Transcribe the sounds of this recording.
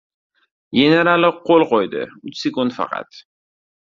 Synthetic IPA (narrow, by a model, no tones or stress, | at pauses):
jʲeneɾalɪqʰːolˠqojd̪ɪ̰ʊt͡ʃse̞kʊnd̪fɑ̰qʰɑ̰t̪